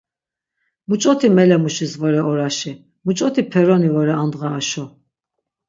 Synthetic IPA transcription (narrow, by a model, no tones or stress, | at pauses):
mut͡ʃʼɔt̪ʰimɛlɛmuʃisvɔɾɛɔɾaʃi | mut͡ʃʼɔt̪ʰipʰɛɾɔnivɔɾɛand̪ʁaːʃɔ